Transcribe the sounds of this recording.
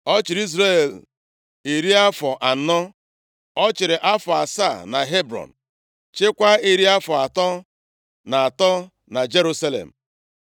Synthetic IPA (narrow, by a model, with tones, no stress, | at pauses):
ɔ˦t͡ʃɪ˨ɾi˦zɾe˦˨l | i˨ɾi˦a˦fɔ˨ʔa˨n̩˨˦nɔ˦ | ɔ˦t͡ʃɪ˨ɾɪ˨ʔa˦fɔ˨a˨sa˦˨na˨ɦe˦bɾɔ̰˨n̩˨ | t͡ʃɪ˦kʷa˦i˦ɾi˦a˦fɔ˨a˨tɔ˦ | na˨a˨tɔ˦ | na˨d͡ʒe˦ɾu˦sa˦lḛ˨m̩˨